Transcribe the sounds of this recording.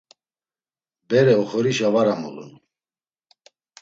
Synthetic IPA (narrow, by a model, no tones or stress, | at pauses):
bɛɾɛɔχɔɾiʃavaɾamɔ̰lṵn